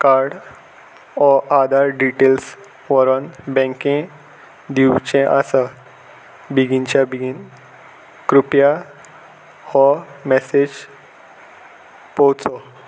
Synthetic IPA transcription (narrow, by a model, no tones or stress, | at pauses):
kaɾɖ | ɔʔad̪ʱaɾɖiʈels | ʋəɾənbɛ̃ŋkẽ | d̪iwt͡ɕẽʔasə | biɡint͡ɕjabiɡin | kɾupja | hɔmɛsed͡ʑ | pɔwt͡sɔ